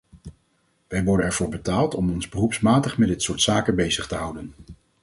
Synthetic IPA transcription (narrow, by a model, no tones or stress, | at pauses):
ʋɛjʋɔɹdənɛɹv̥ʊːɹbətaːlˠtɔmɔnzbərupsmaːtəχmɛdɪtsʊːɹtsaːkənbejzəχtəɦʌwdən